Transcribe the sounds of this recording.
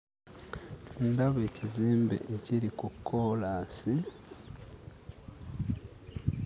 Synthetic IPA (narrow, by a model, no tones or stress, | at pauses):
undaβeːciziːmbḛʔeciɾikukʰːoːlaːsi